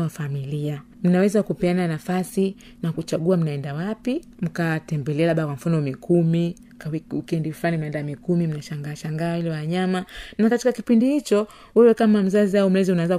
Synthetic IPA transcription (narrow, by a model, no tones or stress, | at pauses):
afamilia | m̩nawɛzakupɛananafasi | nakut͡ʃaɠuam̩naɛndawapi | m̩katɛmbɛlɛalaɓakwam̩fanɔmikʰumi | kikɛndiflanim̩naɛndamikumim̩naʃaŋɡaːʃaŋɡahilɛwaɲamanakatikakipindihit͡ʃɔ | wɛwɛkamam̩zaziaum̩lɛziunawɛza